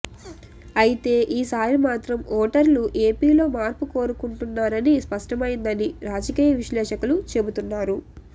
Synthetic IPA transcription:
ɐjit̪e̞ːʔiːsaːɾimaːt̪ɾɐmɔːʈɐɾluʔe̞ːpiːlo̞ːmaːɾpuko̞ːɾukuɳʈunːaːɾɐnispɐʂʈɐmɐjind̪ɐniɾaːd͡ʒɐkiːjɐʋiʃlɛːʂɐkulut͡ʃe̞but̪unːaːɾu

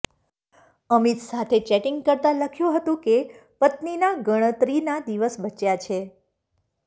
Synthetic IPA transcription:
əmit̪sat̪ʰet͡ʃɛʈiŋɡkəɾt̪aləkʰjũɦət̪ũkepət̪ninaɡəɽ̃ət̪ɾinad̪iʋəsbət͡ʃjat͡ʃʰe

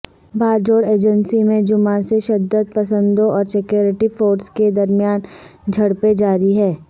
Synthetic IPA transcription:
baːɾd͡ʒoːɽeːd͡ʒə̃nsimẽd͡ʒʊmaseʃɐd̪ːəd̪̚pɐsə̃nd̪õʔɔːɾsekjoːɾɪʈifoːɾsked̪ɐɾmijaːnd͡ʒʱɐɽped͡ʒaːɾiɦɛː

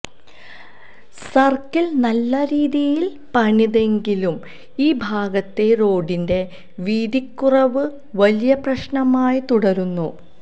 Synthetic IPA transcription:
sɐrkɐlnɐlːɐɾiːðijil | pɐɳiðe̞ŋɡilum | iːbʱaːɡɐt̪ːe̞ro̞ːɖinde̞ | ʋiːd̪ikːurɐʋɨ | ʋɐlijɐprɐɕɳɐmaːjit̪uɽɐɾunːu

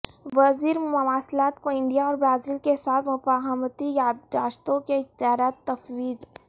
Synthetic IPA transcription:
ʋɐziːɾmʊʋaːslaːt̪koɪ̃ɳɖijaɔːɾbɾaːziːlkesaːt̪ʰmʊfaːɦəmt̪ijaːd̪aːʃt̪õkeɪt̪aːɾaːt̪ːɐfwiːd̪

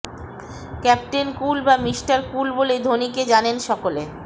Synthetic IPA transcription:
kɛp̚ʈenkulbamiʃʈaɾkulboled̪ʱoniked͡ʑanenʃɔkole

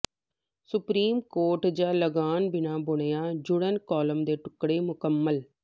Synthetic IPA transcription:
sʊpɾiːmkoːɾʈd͡ʒãːləɡaːnbɪnaːbʊɳ̃ejaːd͡ʒʊɽənkɔːləmd̪eːʈʊkɽeːmʊkəmːəl

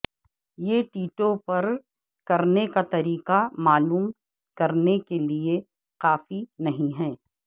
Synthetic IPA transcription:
jeːʈiːʈopɐɾ | kɐɾnekat̪ɐɾiːqamaːluːm | kɐɾnekelie | qaːfinɐɦĩɦɛː

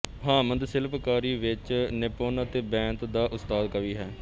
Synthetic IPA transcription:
ɦãːmənd̪sɪlpkaːɾiːʋɪt͡ʃnɪpoːnət̪eːbɛ̃ːnt̪d̪aːʔʊst̪aːd̪kəʋiːɦɛː

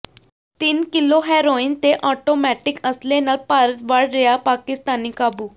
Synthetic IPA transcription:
t̪iːnkɪloɦɛːɾoint̪eʔɔːʈomɛʈɪkəslenalpaːɾət̪ʋaɽɾɛjapaːkɪst̪aːnikaːbuː

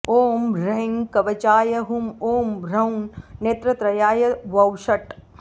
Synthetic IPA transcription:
oːmɾɐŋkɐʋɐt͡ʃaːjɐɦumoːmɾɐwnːeːt̪ɾɐt̪ɾɐjaːjɐʋɐwʃɐʈ

